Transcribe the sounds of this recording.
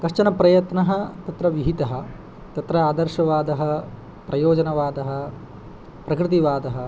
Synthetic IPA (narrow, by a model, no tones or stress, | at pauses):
kɐʂt͡ʃɐnɐpɾɐjɐt̪nɐɦɐt̪ɐt̪ɾɐʋiɦit̪ɐɦɐ̆ | t̪ɐt̪ɾɐaːd̪ɐɾʃɐʋaːd̪ɐɦɐ̆ | pɾɐjoːd͡ʒɐnɐʋaːd̪ɐɦɐ̆ | pɾɐkɾɪt̪̬iʋaːd̪ɐɦɐ̆